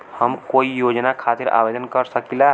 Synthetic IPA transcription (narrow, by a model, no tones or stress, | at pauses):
həmkoijod͡ʒnakʰat̪iɾa̰bed̪ənkəɾsəkila